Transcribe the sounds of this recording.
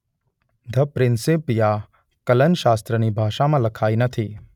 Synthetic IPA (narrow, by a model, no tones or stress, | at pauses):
d̪ʱəpɾɪnsipja | kɐlənʃaːst̪ɾənibʱaːʃamãlɐkʰaːinət̪ʰi